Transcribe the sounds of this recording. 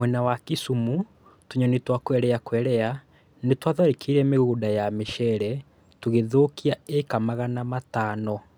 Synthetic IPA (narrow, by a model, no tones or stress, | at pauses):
mwɛnawakisumu | tuɲɔnetwakwɛɾɛakwɛɾɛa | netwaðaɾekʰiiɾɛmeɣuːdajameʃɛɾɛ | tuɣeðoːkiaekamaɣanamataːnɔ